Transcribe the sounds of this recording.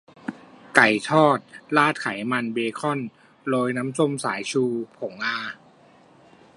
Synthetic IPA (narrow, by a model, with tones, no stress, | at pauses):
ka˨˩jt̪ʰɔː˥˩t̪̚laː˥˩t̪̚kʰa˨˩˦jma˧nbeː˧kʰɔ˥˩˨n | loː˧jna˦˥mso˧˥˩msaː˩˦jt͡ɕʰuː˧pʰo˩˦ŋʔaː˧